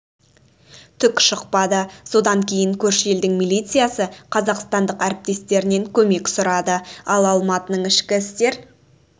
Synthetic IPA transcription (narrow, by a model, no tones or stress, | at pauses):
t̪ʰʏkʲʃʊqpɑd̪əso̞d̪ɑŋkʲʰe̞jɪŋkʲʰɵɾʃje̞ld̪ɪŋmilʲˠijt̪sɨjasəqʰɑzɑqst̪ɑnd̪əqæɾɪp̚t̪e̞st̪e̞ɾɪne̞ŋkʲʰɵme̞ksʊɾɑd̪əɑlˠɑlˠmɑt̪ənəɴɪʃkʲɪɪst̪e̞ɾ